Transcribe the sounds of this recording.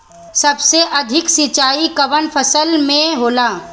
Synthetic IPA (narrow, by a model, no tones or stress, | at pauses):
sɐbseʔɐd̪ʱɪksit͡ʃaːikɐʋənpʰəsəlmẽɦoːlaː